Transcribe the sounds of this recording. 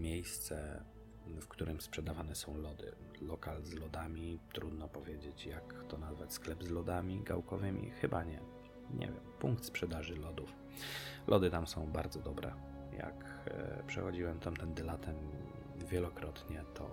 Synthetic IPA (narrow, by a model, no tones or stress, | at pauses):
mʲjejst̪sɛ | fkt̪uɾʔɘmspʂɛd̪avanɛsɔ̃w̃lɔd̪ɘ̰lɔkalzlɔd̪amʲit̪ɾud̪nɔpɔvʲjed͡ʑet͡ɕjakt̪ɔnazvat͡ɕsklɛbzlɔd̪amʲiɡa̰wkɔvɘmʲḭxɘbaɲɛ | ɲɛ̰vʲɛ̰mpuŋkt̪spʂɛd̪aʐɘlɔd̪uf | lʔɔd̪ɘt̪amsɔ̃w̃baɾd̪zɔd̪ɔbɾɛ̰ | ja̰kpʂɛ̰xɔd͡ʑiwɛmt̪amt̪ɛnd̪ɛlat̪ʰɛm | vʲjɛlɔkɾɔt̪ɲɛt̪ʰɔ̰